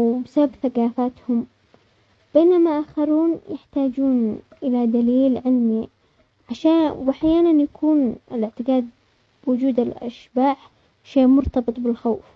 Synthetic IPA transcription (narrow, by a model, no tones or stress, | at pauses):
wbsababθaqaːfaːt̪hʊm | b̥eːnamaʔaːxɑɾuːnjɪħt̪aːd͡ʒuːnʔɪlad̪aliːlʕɪlmi | ʕaʃaːwaħjaːnanjakʰuːnɪlɪʕt̪ɪɡaːd̪̚ | bwʊd͡ʒuːd̪alʔa̰ʃbaːħ | ʃeːʔmʊɾt̪ɑbɨt̪ˤbɪlxaːf